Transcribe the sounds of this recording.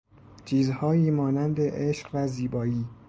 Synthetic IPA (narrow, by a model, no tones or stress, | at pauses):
t͡ʃʰiːzhɒːjiːmɒːnænd̪eʔeʃɢvæziːbɒːjiː